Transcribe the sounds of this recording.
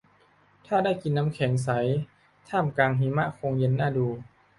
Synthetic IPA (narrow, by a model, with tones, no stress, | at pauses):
t̪ʰaː˥˩da˥˩jki˧nːa˦˥mkʰɛː˩˦ŋs̬a˩˦j | t̪ʰaː˥˩mkaː˧ŋɦiː˨˦ma˧˥kʰo˧ŋje˧˥˦nːaː˥˩duː˧˩